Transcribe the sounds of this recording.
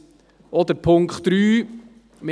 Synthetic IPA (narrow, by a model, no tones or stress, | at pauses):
ɔd̪əɾpʰʊŋkχt̪ɾyː | mɪ